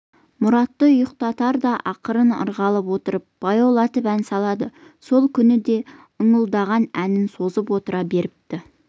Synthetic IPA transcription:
mʊɾɑt̪ːəʊjəq̚t̪ɑt̪ɑɾd̪ɑʔɑqəɾənə̰ɾʁɑlˠəpwo̞t̪əɾəp̚b̥ɑjɑwlˠɑt̪əpænsɑlˠɑd̪əso̞lˠkʲʰʏnɪd̪e̞ | əɴəlˠd̪ɑʁɑnænɪnso̞zəpwo̞t̪əɾɑbe̞ɾɪp̚t̪ɪ

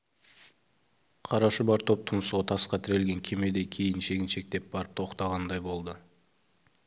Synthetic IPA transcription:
qʰɑɾɑʃəbɑɾt̪ʰo̞p̚t̪ʰʊnəsuʁɑt̪ʰɑsqɑt̪ʰɪɾe̞lɡʲe̞ŋkʲʰe̞me̞d̪e̞kʲʰe̞jɪnʃe̞ɡʲɪnʃe̞k̚t̪e̞p̚bɑɾəp̚t̪ʰo̞qt̪ɑʁɑnd̪ɑjbo̞lˠd̪ə

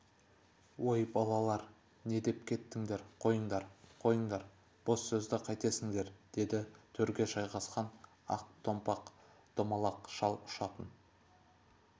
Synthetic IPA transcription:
wojbɑlˠɑlˠɑɾ | ne̞d̪e̞pkʲʰe̞t̪ːɪŋd̪e̞ɾqʰo̞jəɴd̪ɑɾqʰo̞jəɴd̪ɑɾ | b̥osːɵzd̪ɪqʰɑjt̪e̞sɪŋd̪e̞ɾd̪̥e̞d̪ɪt̪ʰɵɾɡʲe̞ʒɑjʁɑsqɑn | ɑ̰q̚t̪ʰo̞mpɑq | t̪ʰomɑlˠɑqʃɑlˠʊ̥ʃɑt̪ən

